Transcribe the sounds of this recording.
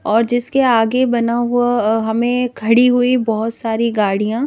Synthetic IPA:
ɔːɾd͡ʒɪskeaːɡebɐnaɦʊaɦɐmẽkʰɐɽiɦʊibɔɦʊt̪saːɾiɡaːɽijã

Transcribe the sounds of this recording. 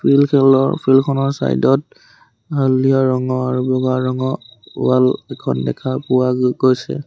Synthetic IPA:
pʰɹilkʰɛlɔpʰɹilkʰɔnɔɹsa̰j̰dɔt̚ | ɦalijaɹɔŋɔaɹubɔɡaɹɔŋɔ | ṵwalɛkʰɔndɛkʰapʊwaɡojsɛ̰

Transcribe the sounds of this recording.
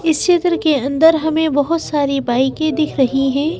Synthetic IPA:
ɪst͡ʃeːt̪ɾəkeɐ̃nd̪əɾɦɐmẽbɐɦʊt̪saːɾibaːɪkẽd̪ɪkʰɾɐɦiɦɛ̃ː

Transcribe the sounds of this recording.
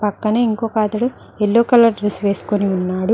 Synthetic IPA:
pɐkːɐneːiŋkoːkaːd̪ɐɽu | elːoːkɐlɐɾɖɾesʋe̞ːsu̥koniunːaːɽu

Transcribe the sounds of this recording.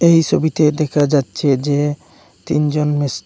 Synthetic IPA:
ejsobit̪ed̪ɛkʰad͡ʒatːt͡ʃʰed͡ʒe | t̪ḭnd͡ʒɔnmes

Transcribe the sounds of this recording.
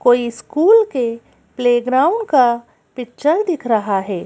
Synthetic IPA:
koːiskuːlke | pleːɡɾaːʊɳɖka | pɪkt͡ʃəɾd̪ɪkʰɾɐɦaɦɛː

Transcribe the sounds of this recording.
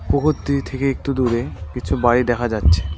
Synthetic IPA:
kokʰot̪ːit̪ʰekeek̚ʈud̪uɾekit͡ɕʰubaɽid̪ɛkʰad͡ʑatːɕʰe̥

